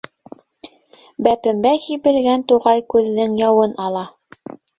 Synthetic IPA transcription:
bæpɘ̆mbækibɘ̆lɡænt̪uʁɑjkʉðːɘŋjɑwɤnɑlˠɑ

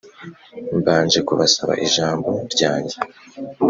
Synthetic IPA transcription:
mbaːnd͡ʒe̞kuβasaβa̰ʔiʒaːmbo̞ɾɟaːɲɟe

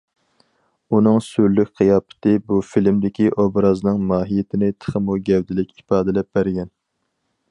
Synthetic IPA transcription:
unɨŋsyɾlykʲqʰijɑːpʰɨ̥t̪ʰɪbufilmd̪ɪkʲiʔobɾɑznɨŋmɑːɦijɪt̪ʰɪnɪt̪ʰə̥χəmuɡʲɛvd̪ɪlɪkʲipɑːd̪ɪlɛp̚bæɾɡʲɛn

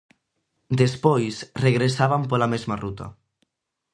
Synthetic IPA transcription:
d̪espojsreɣɾesaβampolamezmarut̪a̰

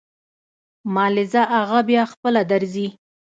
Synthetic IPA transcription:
mɑlɪzaʔaɣabjɑxpəlad̪aɾzi

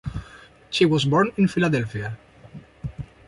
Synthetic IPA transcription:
ʃiwɔzbɔɹnɪ̃nfilad̪ɛlfia

